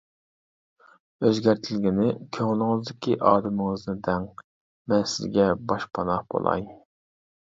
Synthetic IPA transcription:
øzɡʲæɾt̪ʰɪlɡʲɪnɪkʲʰøŋlˠɪŋɨzd̪ɪkʲiʔɑːd̪ɨmɪŋɨznɨd̪ɛŋ | mɛnsɪ̰zɡʲɛbɑʃpʰɑnɑqb̥o̰lˠɑ̰j

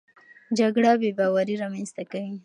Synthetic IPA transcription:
d͡ʒaɡɽabebɑwaɾiɾɑmanst̪akawi

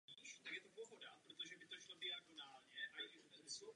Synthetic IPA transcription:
iːʃt̪aɡjɛt̪obloɦodapɾot̪oʒɛbɪt̪oʃlobɪaɡonaːlɲɛʔajɪʒɛbɛzmɪslu

